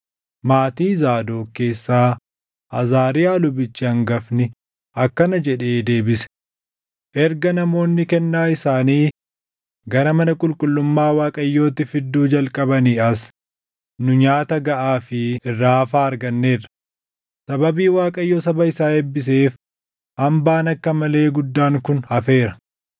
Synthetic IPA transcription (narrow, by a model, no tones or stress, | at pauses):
maːt̪iːzaːd̪o̞ːke̞ːsːaː | ʔɐzaːɾɪjaːlʊbɪt͡ʃːɪhɐŋɡɐfnɪ | ɐkːɐnɐd͡ʒɛᶑe̞ːd̪e̞ːbɪsɛ̥ | ʔɛɾɡɐnɐmo̞ːnːɪkɛnːaːɪsaːniː | ɡɐɾɐmɐnɐkʼʊlkʼʊlːʊmːaːwaːkʼɐjːo̞ːt̪ɪfɪd̪ːuːd͡ʒɐlkʼɐbɐniːɐs | nʊɲaːt̪ɐɡɐʔaːfɪɪrːaːɐfaːɐɾɡɐnːe̞ːrːɐ̥ | sɐbɐbiːwaːkʼɐjːoːsɐbɐɪsaːɛbːɪs̬e̞ːf | hɐmbaːnɐkːɐmɐle̞ːɡʊd̪ːaːŋkʊnhɐfe̞ːɾɐ̥